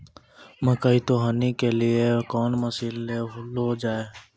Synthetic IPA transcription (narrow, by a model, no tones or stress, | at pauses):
məkəit̪oɦanikeliekɔːnməsiːlːeɦʊlod͡ʒaːe